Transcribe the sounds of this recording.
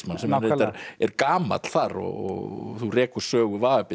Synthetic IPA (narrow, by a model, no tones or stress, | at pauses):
smansɛmejt̪aɾɛɾkaːma̰t̪l̥θaɾɔ̰ɣɔθurɛːkʏ̥sœːɣʏvaːðapɪ